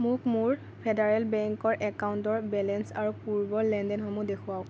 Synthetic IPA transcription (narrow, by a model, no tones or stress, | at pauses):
mʊkmʊɹ | pʰedaɹɛlbɛŋkɔɹʔɛkaʊntɔɹbɛlɛnsaɹupuɹbɔɹlɛndɛnxɔmudekʰʊwaʊ̃